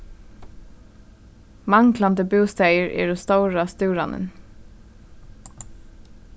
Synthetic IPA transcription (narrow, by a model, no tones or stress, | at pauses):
maŋkland̪əbuːst̪ɛjəɹɛ̰ːɹɔst̪ɔwɹast̪ʉːɾa̰nɪ̰n